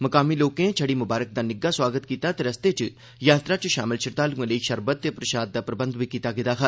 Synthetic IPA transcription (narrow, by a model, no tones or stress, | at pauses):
mɐkaːmiːloːkẽt͡ʃʰɐɽiːmʊbaːɾək̚d̪aːnɪɡːaswaːɡət̪kiːt̪aːt̪eɾɐst̪et͡ʃ | jaːt̪ɾat͡ʃʃaːmɪlʃʰɪɾt̪aːluẽləiʃɐɾbət̪ːepɾɐʃaːd̪̚d̪aːpɾəbə̃nd̪bʱikiːt̪aːɡɪd̪aːkʰa